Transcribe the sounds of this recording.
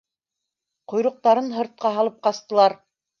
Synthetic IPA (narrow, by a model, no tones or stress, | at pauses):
qŏjɾŏq̚t̪ɑɾɤnɦɤ̆ɾt̪̚qɑɦɑlˠɤp̚qɑst̪ɤ̆lˠɑɾ